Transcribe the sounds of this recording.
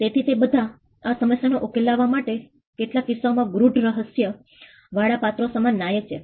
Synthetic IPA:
t̪et̪ʰit̪ebəd̪ʱa | asəməsjanoʔokelaʋːamaʈe | keʈlakisamãɡɾuɖɾəɦəsjə | ʋaɽapat̪ɾosəmanːajet͡ʃʰe

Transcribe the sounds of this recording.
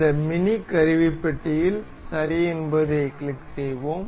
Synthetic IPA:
d̪ɐmɪnikɐɾɪʋipːɐʈːɪjɪl | sɐɾɪɛnbɐðɯkɭlɪkːsɛjʋoːm

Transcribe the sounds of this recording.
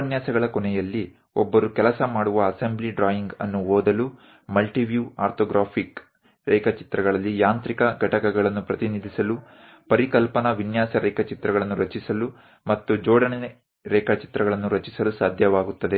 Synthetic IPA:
ɐnjaːsɐɡɐɭɐkɔɳɛjɐlːi | ɔbːɐɾukɛlɐsɐmaːɽuʋɐːsembliɖɾaːjiŋɡɐ̰nːuɦoːd̪ɐlu | mɐlʈiʋjuːaːɾt̪oːɡɾaːpʰik | ɾɛːkɐt͡ʃi̥t̪ɾɐɡɐɭɐlːijaːnt̪ɾikɐɡʱɐʈɐkɐɡɐɭɐnːupɾɐt̪inid̪ʱisɐlu | pɐɾikɐlpɐnɐʋinjaːsɐɾʔɛːkɐt͡ʃit̪ɾɐɡɐɭɐnːuɾɐt͡ʃisɐlu | mɐt̪ːud͡ʒɔːɽɐne | ɾɛːkɐt͡ʃi̥t̪ɾɐɡɐɭɐnːuɾɐt͡ʃisɐlusaːd̪ʱjɐʋaːɡut̪ːɐd̪e

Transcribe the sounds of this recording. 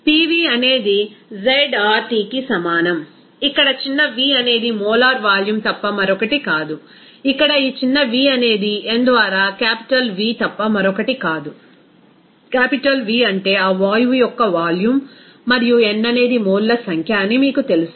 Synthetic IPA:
piːʋiːɐne̞ːd̪id͡ʒejɖaːɾʈiːkisɐmaːnɐm | ikːɐɽɐt͡ʃinːɐʋiːɐne̞ːd̪imɔːlaːɾʋaːljumt̪ɐpːɐmɐɾɔkɐʈikaːd̪u | ikːɐɽɐiːt͡ʃinːɐʋiːɐne̞ːd̪iend̪ʋaːɾaːkaːpi̥ʈɐlʋiːt̪ɐpːɐmɐɾɔkɐʈikaːd̪u | kaːpiʈɐlʋiːɐɳʈe̞ːaːʋaːjujɔkːɐʋaːljumː | ɐɾijuenːɐne̞ːd̪imoːllːɐsɐŋkʰjaːnːimiːkut̪e̞lus

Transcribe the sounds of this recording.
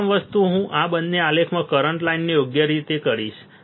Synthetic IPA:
mʋəst̪uɦũʔãbənːealekʰmãkəɾəɳʈlainːijoɡjəɾit̪ekəɾḭʃ

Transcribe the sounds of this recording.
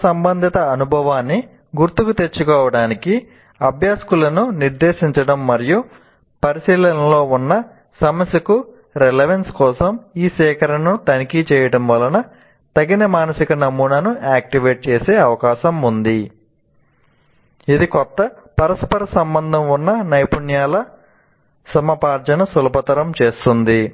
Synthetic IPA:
sɐmbɐnd̪ʱit̪ɐːnubʱɐʋaːnːi | ɡuɾt̪ukut̪e̞t͡ʃːukɔːʋɐɽaːniki | ɐbʱjaːskulɐnuniɾd̪eːʃiɲt͡ʃɐɽɐmːɐɾiju | pɐɾisiːlɐnɐlo̞ːunːɐ | sɐmɐsjɐku | ɾelɐʋenskɔːsɐmiːsɛːkʰɐɾɐɳut̪ɐnikit͡ʃɛːjɐɽɐmʋɐlɐnɐ | t̪ɐɡinɐmaːnɐsikɐnɐmuːnɐnuaːk̚ʈiʋeːʈ̚t͡ʃeːseːɐʋɐkaːʃɐmund̪i | id̪ikɔt̪ːɐpɐɾɐspɐɾɐsɐmbɐnd̪ʱɐmunːɐnɐjpuɳjaːlɐ | sɐmɐpaːɾd͡ʒɐnɐsulɐpɐt̪ɐɾɐmt͡ʃeːst̪und̪i

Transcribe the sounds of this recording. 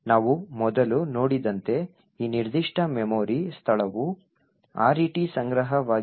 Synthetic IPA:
naːʋumɔd̪ɐluno̞ːɽid̪ɐnt̪e̞ | iːniɾd̪iʂʈʰɐmemoːɾist̪ʰɐɭɐʋu | a̰ːɾiːʈisɐŋɡɾɐɦɐʋaː

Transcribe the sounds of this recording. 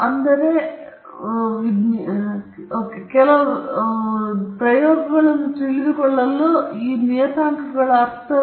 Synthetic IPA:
ɐnd̪ɐɾe | i | oːkekɛlɐʋ | pɾɐjoːɡɐɡɐɭenːut̪eɭiðukɔɭːɐlːoiːnijɐt̪aːŋkɐɡɐɭɐɾt̪ʰːɐ

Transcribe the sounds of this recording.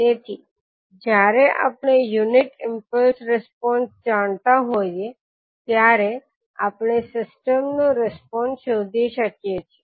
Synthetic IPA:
t̪et̪ʰi | d͡ʒjaɾeʔa̰pɳ̃ejuniʈɪmpəlsɾɛspɔnsd͡ʒaɳt̪aɦoje | t̪jaɾe | a̰pɳesɪsʈəmnoɾɛspɔnsʃod̪ʱiʃəkjet͡ʃʰe̥

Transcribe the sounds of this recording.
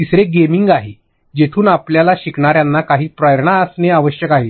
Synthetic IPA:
t̪isɾeɡemiŋɡaɦe | d͡ʑet̪ʰuːnapljalaɕikɳaɾjanːakaɦiːpɾajəɾɳaəsneaʋəɕjəkaɦe

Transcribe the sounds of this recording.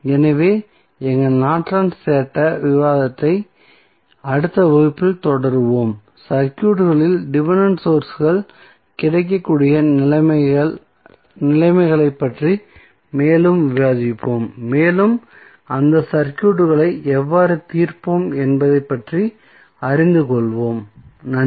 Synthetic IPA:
ɛnɐʋeː | ɛŋɡɐɭnaːʈraːnsseːʈːɐʋɪʋaːðɐt̪ːɐɪ | ɐɽɯt̪ːɐʋoɪpːɯlt̪ɔɽɐɾɯʋoːm | sɐɾkjuːʈːɯɣɐɭɪlɖɪʋɐnɐnsoːɾsɣɐɭ | kɪɽɐɪk̬ːɐkːuːɽɪjɐɐɐ | nɪlɐɪmɐɪɣɐɭɐɪpːɐʈri | meːlɯmʋɪɾaːðɪpːoːmːeːlɯm | ɐnd̪ɐsɐɾkjuːʈ̬ːɯɣɐɭɐɪʔɛʋːaːɾɯt̪iːrpoːmɛnbɐðɐɪpːɐʈri | ɐɾɪnd̪ɯkɔɭʋoːmnɐ

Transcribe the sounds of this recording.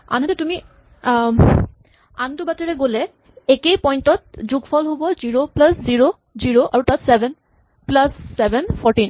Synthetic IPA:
a̰nɦatɛtumi | antʊbateɹɛɡolɛ | ekejpɔjntɔt̚zuɡfʰɔlɦobɔziɹoplasziɹo | ziɹoʔaɹutatsɛbɛn | plasːɛbɛnpʰɔɹtin

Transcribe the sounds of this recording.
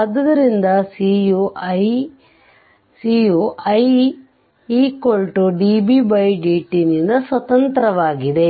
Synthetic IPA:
ɐd̪ːɐd̪ɐɾind̪ɐsiuj | sijuʔɐj | iːkoɭʈuɖiːbibɐjɖiːʈinind̪ɐsʋɐt̪ɐnt̪ɾɐʋaːɡid̪e̞

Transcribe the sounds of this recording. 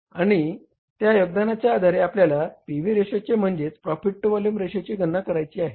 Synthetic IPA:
aɽ̃i | t̪jajoɡ̚d̪anat͡ɕjaːd̪ʱaɾeapljalapiʋiɾeʂat͡ɕem̤əɳd͡ʑet͡spɾɔfiʈ̚ʈːʋɔljumɾeɕat͡ɕiːɡʱənːakəɾajt͡ɕiːaɦe

